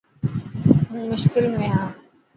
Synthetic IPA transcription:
ɦũːmʊʃkɪlmẽːɦãː

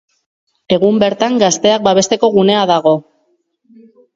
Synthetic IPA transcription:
e̞ɣumbe̞ɾt̪aŋɡast̪e̞ak̚baβ̞e̞st̪e̞ko̞ɣune̞aðaɣo̞

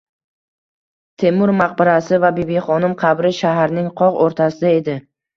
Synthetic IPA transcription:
t̪ʰe̞mʊɾmaq̚bɪɾasɪvabebeχɒnɪmqʰɑbɾɪʃaɦaɾnɪŋqʰɒʁoɾt̪ʰasɪd̪ae̞d̪ɪ

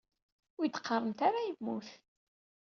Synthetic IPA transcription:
ʊjt̪ːqːərˤːəmt̪aɾajəmːuθ

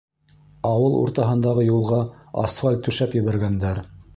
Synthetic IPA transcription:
ɑwɤlˠṵɾt̪ɑɦɤ̆nd̪ɑʁɤjulˠʁɑɑ̰sfalʲt̪ːʉʃæpjɘ̆βæɾɡænd̪æɾ

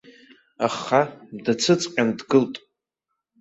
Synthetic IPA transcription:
aχadat͡sʰɨt͡sʼqʲʼandɡɨltʼ

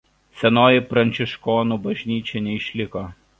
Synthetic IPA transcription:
sʲɛnoːjɪpɾɐnʲt͡ʃʲɪʃkoːnubɐʒʲnʲiːt͡ʃʲɛnʲɛɪʃʲlʲɪkoː

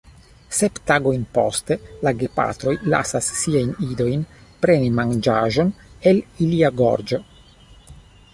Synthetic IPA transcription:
septaɡo̞jnpo̞̰ste̞laɡepa̰t̪ɾo̞jla̰sasːiajnido̞jnpɾe̞nimand͡ʒaʒo̞ne̞liliaɡo̰ɾd͡ʒo

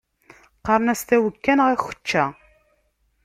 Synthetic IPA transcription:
qɑɾˤənæst̪æwəkːænʁæçə̥t͡ʃːæ

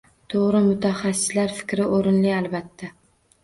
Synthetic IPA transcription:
t̪ʰoʁɾɪmʊt̪ʰaχasːɪ̥slaɾfɪ̥kʲɾɪʔoɾɪnlɪalˠbat̪ʰːa

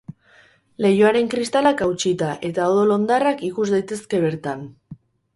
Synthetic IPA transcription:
le̞joaɾe̞ŋkɾist̪alakawt͡ʃit̪aʔe̞t̪aoðolo̞nd̪arakikuzd̪ajt̪e̞ske̞β̞e̞ɾt̪an

